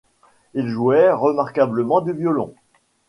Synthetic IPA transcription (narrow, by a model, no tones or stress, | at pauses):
ilʒuɛʁəmaʁkabləmɑ̃d̪yvjɔlɔ̰̃